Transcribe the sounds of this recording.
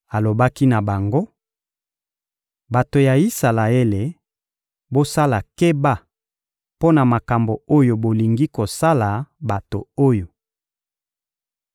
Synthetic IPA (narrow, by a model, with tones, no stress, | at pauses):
a˨lo˨ba˦ki˦na˨ba˨ŋɡo˦ | ba˨to˨ja˨i˦sa˨la˨e˦le˨ | bo˦sa˦la˨ke˦ba˦˨ | po˦na˨ma˨ka˨mbo˨o˦jo˨bo˨li˨ŋɡi˦ko˨sa˦la˨ba˨to̰˨o˦jo˨